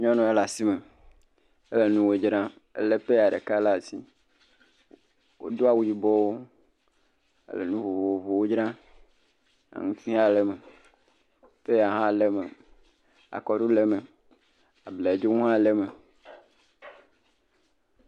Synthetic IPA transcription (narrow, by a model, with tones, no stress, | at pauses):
ɲɔ̃˦nɔ̃˨e˦la˨si˦me˨ | ḛ˦le˨nũ˦wo˨d͡ʒɾã˦ | ḛ˦le˦ɸe˦˨a˨ɖḛ˨ka˦la˨si˦ | wo̰˦d̪o˦a˨wu˦ji˨bɔ˦wo˦ | ḛ˦lḛ˨nũ˦vo˨vo˨o˨vo˨wo˦d͡ʒɾã˦ | a̰˨ŋũ˦t̪ʰi˦ɦa˦le˦me˨ | ɸe˦˨a˨ɦã˦˨le˦me˨ | a̰˨kɔ˨ɖu˦le˦mẽ˨ | a˨ble˨e˨d͡ʒo˦ŋũ˦ɦã˦˨le˦me˨